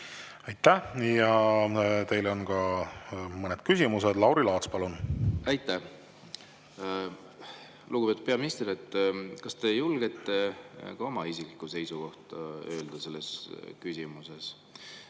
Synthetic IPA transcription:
ɑjt̪ːæhjɑ | t̪e̞jlonkɑ | mɤned̪̥̚kysʲimused̪̥lɑwɾilɑːt̪spɑlunɑjt̪ːˑæh | luɡ̥ube̞t̪u̥peɑminist̪eɾet̪ːkɑst̪e̞julɡ̥et̪ːˑe̞kɑo̞mɑisiklikːˑuse̞jsuɡ̥o̞ht̪ɑø̞ːld̪̥ɑse̞lːe̞skysʲimuse̞s

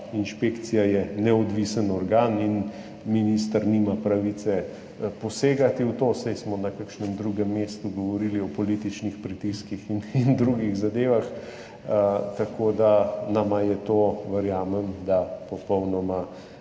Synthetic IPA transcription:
inʃpekt̪sijajɛnɛɔd̪ʋisənɔɾɡaːnin | miniːst̪əɾnimapɾaʋit̪sɛ | pɔseːɡat̪iwt̪oːsajsmɔnakakʃnɛmd̪ɾuɡɛmːeːst̪uɡɔʋɔɾiliɔpɔlit̪it͡ʃnixpɾit̪iskixinind̪ɾuɡiɣzad̪eːʋax | t̪akoːd̪anamajɛt̪oːʋɛɾjaːmɛmd̪apɔpɔwnɔma

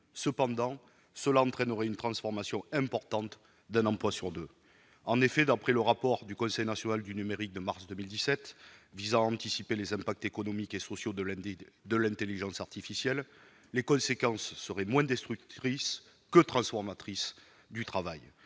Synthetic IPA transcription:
səpɑ̃d̪ɑ̃ | səlaɑ̃t̪χɛnəʁɛynt̪χɑ̃sfɔʁmasjɔ̃ɛ̃pɔʁt̪ɑ̃t̪ | d̪ɛ̃nɑ̃plwasyʁd̪ø | ɑ̃nefɛd̪apχɛləʁapɔʁd̪ykɔ̃sɛjnasjɔnald̪ynymeʁik̚d̪əmaʁsd̪əmild̪isɛt̪vizɑ̃ɑ̃t̪isipelezɛ̃mpak̚t̪ekɔnɔmikesɔsjod̪ə | d̪əlɛ̃t̪eliʒɑ̃saʁt̪ifisjɛlː | ekɔ̃sekɑ̃sːəʁɛmwɛ̃d̪ɛst̪χyk̚t̪χis | kət̪χɑ̃sfɔʁmat̪χis | d̪yt̪χavaj

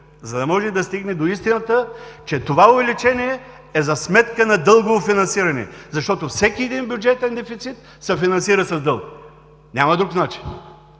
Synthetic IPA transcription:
zɐd̪ɐmɔʒɛd̪ɐst̪iɡnɛd̪oist̪inət̪ət͡ʃɛt̪ovaʊvɛlit͡ʃɛniɛ | ɛzɐsmɛt̪kənɐd̪ɤlˠɡovofinɐnsiɾɐnɛ̰zɐʃt̪ɔt̪ofsɛkʲiɛd̪inbjud͡ʒɛt̪ɛnd̪ɛfit̪sit̪ | sɐfinɐnsiɾəsɐzd̪ɤlˠk | nʲamɐd̪ɾuknat͡ʃi̥n

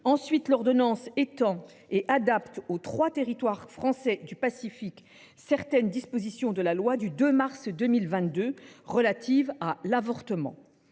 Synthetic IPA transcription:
ɑ̃sɥit̪lɔʁd̪ɔnɑ̃set̪ɑ̃ | eʔad̪apt̪ot̪χwat̪eʁit̪waʁfχɑ̃sɛd̪ypasifik | sɛʁt̪ɛnd̪ispozisjɔ̃d̪əlalwad̪yd̪ømaʁsd̪ømilvɛ̃t̪̚d̪øʁəlat̪ʰivalavɔʁt̪əmɑ̰̃

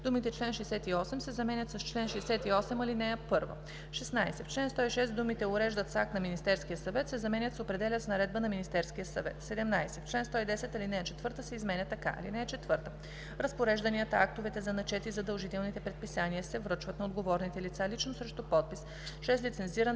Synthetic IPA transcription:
d̪umit̪ɛt͡ʃlɛnʃɛjsɛt̪iɔsɛmsɛzɐmɛnʲɐt̪sɐst͡ʃlɛnʃɛjsɛt̪iɔsɛmɐlinɛpɤɾvə̰ | ʃɛsnajsɛft͡ʃlɛnst̪ɔiʃɛsd̪umit̪ɛʊɾɛʒd̪ət̪sak̚t̪nɐminist̪ɛɾskijəsɐvɛt̪sɛzɐmɛnʲɐt̪sopɾɛd̪ɛlʲɐt̪snɐɾɛd̪̚bənɐminist̪ɛɾsk̟ijəsɐvɛ̰t̪sɛd̪ɛmnajsɛft͡ʃlɛnst̪ɔid̪ɛsɛt̪ɐlinɛɐt͡ʃɛt̪vɤɾt̪əsɛizmɛnʲət̪ɐka̰ʔɐ̰lḭnɛːt͡ʃɛt̪vɤɾt̪ə | ɾɐspoɾɛʒd̪ɐnijət̪əak̚t̪ovɛt̪ɛzɐnɐt͡ʃɛt̪izɐd̪ɐlˠʒit̪ɛlˠnit̪ɛpɾɛt̪̚pisaniəsɛvɾɤt͡ʃvət̪nɐod̪̚ɡovɔɾnit̪ɛlit̪salit͡ʃnosɾɛʃt̪upɔt̪̚pis | ʃɛst̪lit̪sɛnziɾən

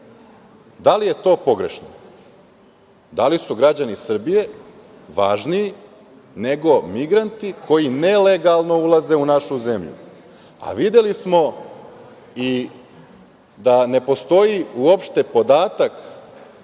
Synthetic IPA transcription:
d̪alije̞t̪o̞ːpo̞ɡɾḛʃno | d̪alisuɡɾad͡ʑanisr̩bije̞ | ʋaːʒniː | ne̞ɡo̞miɡɾant̪ikʰo̞jine̞le̞ɡalˠno̞ulˠaze̞unaʃuze̞mʎṵ | a̰ʋid̪e̞lismo̞ | i | d̪ane̞po̞st̪o̞jiuo̞pʃt̪e̞po̞d̪aːt̪ak

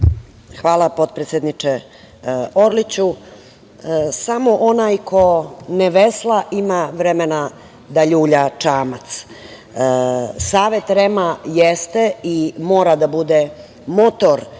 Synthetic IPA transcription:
xʋaːlapo̞t̪̚pɾet̪sjed̪nit͡ʃe | oɾlit͡ɕu | samoʔonaːjkʰoneʋeslˠaʔimaʋɾemena | d̪aʎuːʎat͡ʂaːmat̪s | saːʋe̞t̪ɾemajest̪eimoːɾad̪abud̪e | mo̞t̪oɾ

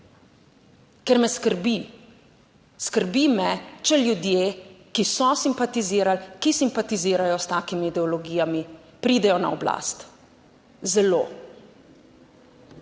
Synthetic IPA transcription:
kɛɾmɛskəɾbi | skəɾbimɛt͡ʃɛljud̪jekisɔsimpat̪iziːɾalkisimpat̪iziːɾajɔst̪aːkimiːd̪ɛɔlɔɡiːjami | pɾiːd̪ɛjɔna̰ɔbla̰st̪ | zɛlo̰ː

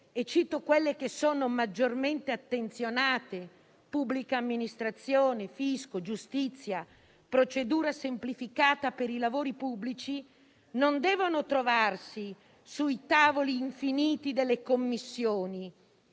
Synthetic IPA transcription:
et͡ʃːiːt̪okwelːek̟esoːnomad͡ʒːorment̪eat̪ːent̪sjonaːt̪e | pubːlikaːmːinist̪ɾat̪sːjoːnefiskod͡ʒust̪it̪sːja | pɾot͡ʃed̪uːɾasemplifikaːt̪apeɾilavoːɾipubːlit͡ʃi | nond̪ɛːvonot̪ɾovarsi | suit̪aːvoliːɱfiniːt̪id̪elːekomːisːjoːni

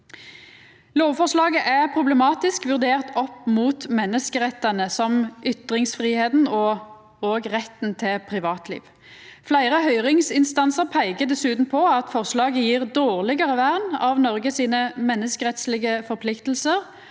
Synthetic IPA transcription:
loːʋfɔʂlɑːɡəʔæʁpʰʁʊblɛmɑːt̪ɪskʋʉʁd̪eːʁt̪ɔpːmuːt̪mɛnːəskəʁɛt̪ːɑnəsɔmʔʏt̪ʁɪŋsfʁiːheːt̪n̩ɔ | oːɡʁɛt̪ːn̩t̪ʰɪpʰʁɪʋɑːt̪ʰlḭːʋ | flæɪʁəɦœʏʁɪŋsɪnst̪ɑnsəʁpʰæɪɡəd̪ɛsʉːt̪n̩pʰɔɑt̪fɔʁslɑːɡəjiːʁd̪oːʁlɪɡəʁəʋæʁnɑʋnɔʁɡəsiːnəmɛnːəskəʁɛt̪slɪɡəfɔʁpʰlɪkt̪l̩səʁ

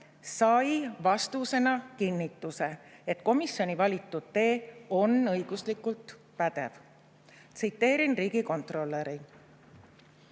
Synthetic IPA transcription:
sɑjvɑst̪use̞nɑkinːit̪ːˑuse̞et̪ko̞misjo̞nivɑlʲit̪ˑːud̪̥t̪ːe̞ːo̞nɤjɡ̥uslikult̪ | pæd̪̥e̞̰v | t̪sit̪ːe̞ːɾinriːɡiko̞nt̪ˑro̞lːe̞ɾi

